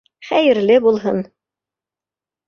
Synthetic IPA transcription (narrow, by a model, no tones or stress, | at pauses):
χæjɘ̆ɾlɘbulˠɦɤ̰n